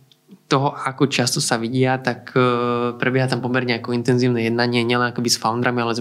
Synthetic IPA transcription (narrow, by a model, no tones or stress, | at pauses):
t̪ɔɦɔʔakɔt͡ʃast̪ɔsaʋiɟɪat̪akpɾɛbɪɛɦat̪ampɔmɛɾɲɛakɔint̪ɛnziːʊnɛjɛd̪̚naɲɪɛɲɪɛlɛnakɔbisfaʊnd̪ɾamialɛz